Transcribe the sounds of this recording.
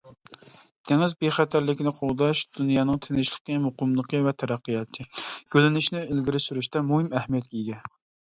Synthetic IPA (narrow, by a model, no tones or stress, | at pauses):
d̪̥ʰeŋɪzbeχæt̪ʰæɾlɪkʲɪnɪqʰoʁd̪ɑʃd̪̥unjɑːnɨŋt̪ʰenɪʃlˠə̥qəmoqʊmlˠəqəvɛt̪ʰɛɾɑqːəjɑt̪ʰɨɡ̥ʲølɪnyʃnɪelɡʲiɾɪsyɾyʃt̪ɛmuɦɪmɛhmijɛt̪̚kʲɛiɡʲɛ